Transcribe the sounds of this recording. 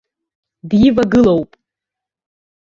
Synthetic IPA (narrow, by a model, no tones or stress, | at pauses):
djɪvaɡɨlowpʼ